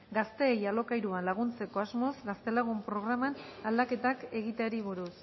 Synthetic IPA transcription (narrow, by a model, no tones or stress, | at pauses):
ɡast̪e̞ːjalo̞kajɾuanlaɣ̞unt͡se̞ko̞azmo̞zɡast̪e̞laɣ̞umpɾo̞ɣɾamanald̪ake̞t̪ake̞ɣit̪eaɾiβuɾus